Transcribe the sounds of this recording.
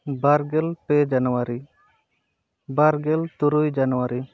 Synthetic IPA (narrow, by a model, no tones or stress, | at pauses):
baɾɡɛlped͡ʒanuwaɾi | baɾɡɛlt̪uɾujd͡ʒanuwaɾi